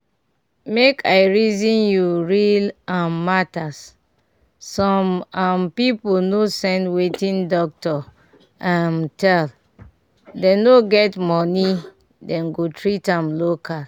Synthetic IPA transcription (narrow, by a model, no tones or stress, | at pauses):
mekʰaɪɹizĩnjuɹilãmːatasː | ɔ̃mampipolnosɛ̃ndwetĩndɔk̚tɔ | ãmtʰɛl | denoɡɛtmɔni | dɛ̃nɡotɹitãmlokʰas